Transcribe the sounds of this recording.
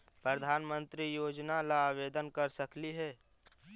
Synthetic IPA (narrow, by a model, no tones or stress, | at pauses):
pɾəd̪ʱaːnmə̃nt̪ɾijoːd͡ʒnalaːʋeːd̪ənkəɾsɐkliɦɛː